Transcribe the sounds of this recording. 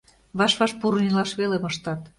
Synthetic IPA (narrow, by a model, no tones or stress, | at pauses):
βɑʃβɑʃpuɾunʲilɑʃβelemɤʃt̪ɑt̪